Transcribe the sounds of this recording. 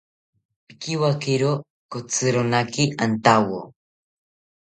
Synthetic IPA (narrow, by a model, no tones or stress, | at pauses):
pi̥kiwakiɾo | kot͡sɨɾonakiʔant̪awo̰